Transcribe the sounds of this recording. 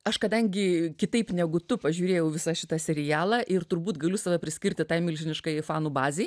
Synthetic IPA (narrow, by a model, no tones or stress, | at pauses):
ɐʃkɐd̪ɐŋʲɡʲɪkʲɪt̪ɐɪpnʲɛɡʊt̪ʊpɐʒʲuːɾʲeːjɛʊʋʲɪsɑʃʲɪt̪ɐsʲɛɾʲɪjæːlˠɑːʔɪrt̪ʊɾbuːt̪ɡɐlʲʊsɑːʋɐpʲɾʲɪsʲkʲɪɾʲt̪ʲɪt̪ɑːɪmʲɪlʲʒʲɪnʲɪʃkɐɪjfɑːnuːbɑːzʲeɪ